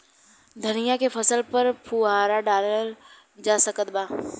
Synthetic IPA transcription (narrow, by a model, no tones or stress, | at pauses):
d̪ʱənɪjakepʰɐsəlpəɾpʰuɦaːɾaɖaːləl | d͡ʒaːsəkət̪̚baː